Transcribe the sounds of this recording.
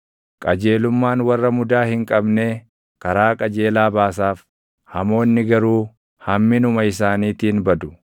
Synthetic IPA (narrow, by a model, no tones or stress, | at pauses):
kʼɐd͡ʒe̞ːlʊmːaːnwɐrːɐmʊd̪aːhɪŋkʼɐbne̞ː | kɐɾaːkʼɐd͡ʒe̞ːlaːbaːsaːf | hɐmo̞ːnːɪɡɐɾuː | hɐmːɪnʊmɐɪsaːniːt̪ɪːnbɐd̪ʊ̥